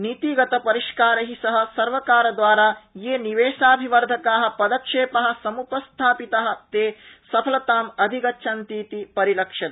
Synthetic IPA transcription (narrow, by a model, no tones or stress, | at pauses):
nit̪iːɡɐt̪ɐpɐɾiʃkaːɾɐɦisɐɦɐ̆sɐɾʋɐkaːɾɐd̪ʋaːɾaːjeːniʋeːʃaːbʱiʋɐɾd̪ʱɐkaːɦɐ̆pɐd̪ɐkʂeːpɐɦɐ̆sɐmupɐst̪ʰaːpit̪ɐɦɐ̆t̪eːsɐpʰɐlɐt̪aːmɐd̪ʱiɡɐtːʃʰɐnt̪iːt̪ipɐɾilɐkʂɐt̪